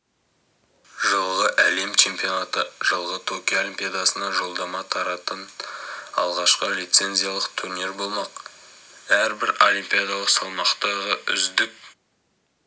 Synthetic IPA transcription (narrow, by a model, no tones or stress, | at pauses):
ʒəlˠʁəʔæle̞mt͡ʃʰe̞mpionat̪əʒəlˠʁət̪ʰokʲiolʲimpʲijad̪ɑsənɑʒo̞lˠd̪ɑmɑt̪ʰɑɾɑt̪ən | ɑ̰lˠʁɑʃqəlʲijt̪se̞nzijalˠəqt̪ʰuɾniɾbo̞lˠmɑq | æɾbɪɾo̞lʲimpijad̪ɑlˠəqsɑlˠmɑqt̪ɑʁəʔʏ̰zd̪ɪk̚